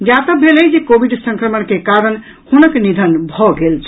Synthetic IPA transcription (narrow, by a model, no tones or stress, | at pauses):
d͡ʒat̪əbʱeləjd͡ʒekobiɖsə̃ŋkɾəmənkekaɾən | hunəknid̪ʱənbʱɔɡelt͡ʃʰ